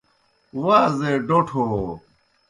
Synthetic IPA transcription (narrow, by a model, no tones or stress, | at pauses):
waːzeɖoʈʰoː